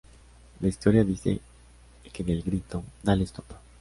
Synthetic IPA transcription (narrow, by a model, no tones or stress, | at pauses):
laist̪oɾjaðiθḛ | keðelɡɾit̪od̪alest̪opḁ